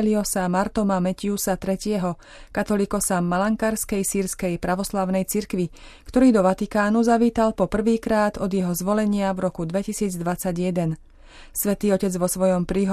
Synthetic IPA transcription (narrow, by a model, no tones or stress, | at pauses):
liɔsamaɾt̪ɔmamɛciusat̪ɾɛcɪɛɦɔ | kat̪ɔlikɔsamalaŋkaɾskɛjsiːɾskɛjpɾaʋɔslaʊnɛjt͡siɾkʋi | kt̪ɔɾiːd̪ɔʋat̪ikaːnuzaʋiːt̪alpɔpr̩ʋiːkɾaːd̪ɔd̪jɛɦɔzʋɔlɛɲɪavɾɔkud̪ʋɛcisiːd͡zd̪ʋat͡saɟjɛd̪ɛn | sʋɛt̪iːɔcɛd͡zʋɔsʋɔjɔmpɾiːɦ